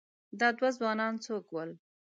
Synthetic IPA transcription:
d̪ɑd̪wazwɑnɑnt͡sokwəl

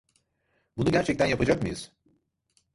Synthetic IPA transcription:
bunuɟæɾt͡ʃʰɛc̚t̪ʰænjapʰad͡ʒakmɯjɯz̥

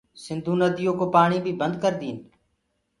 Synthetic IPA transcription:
sɪnd̪ʱũːnəd̪ijõːkoːpaːɳiːbʱiːbənd̪kəɾd̪iːn

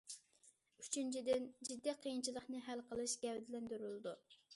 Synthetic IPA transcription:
yt͡ʃʰynt͡ʃʰid̪ɪnd͡ʒid̪ːiqʰijint͡ʃʰilˠəχnɨɦælqʰəlˠɨʃɡʲɛwd̪ɪlɛnd̪yɾylˠɨd̪u

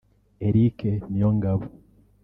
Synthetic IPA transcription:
eɾikenijoŋɡaβu

